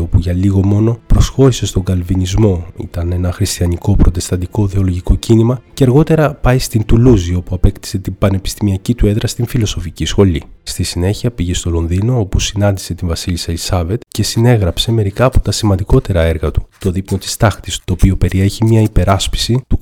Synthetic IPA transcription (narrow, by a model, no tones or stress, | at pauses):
o̞puʝɐliɣo̞mo̞no̞pɾo̞sxo̞ɾise̞st̪o̞ŋɡɐlvinizmo̞ḭt̪ɐne̞nɐxɾist̪iɐniko̞pɾʔo̞t̪e̞st̪ɐd̪iko̞ðeolo̞ʝiko̞cinimɐceɐɾɣo̞t̪e̞ɾɐpɐist̪int̪uluzio̞puɐpe̞kt̪i̥se̞t̪imbɐne̞pi̥st̪imiɐcit̪ue̞ðɾɐst̪iɱfilo̞so̞ficisxo̞list̪isine̞çiɐpiʝe̞st̪o̞lo̞nðino̞o̞pusinɐnd̪ise̞t̪iɱvɐsiliselisɐve̞t̪ce̞sine̞ɣɾɐpse̞me̞ɾikɐːpo̞t̪ɐsimɐnd̪iko̞t̪e̞ɾɐe̞ɾɣɐt̪u̥t̪o̞ðipno̞t̪i̥st̪ɐxt̪i̥st̪o̞ːpio̞pe̞ɾʔie̞çimɲɐipe̞ɾɐspi̥sit̪u